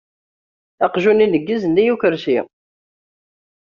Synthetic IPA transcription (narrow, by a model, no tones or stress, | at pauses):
ɑqʒuninəɡːizənːijukəɾsi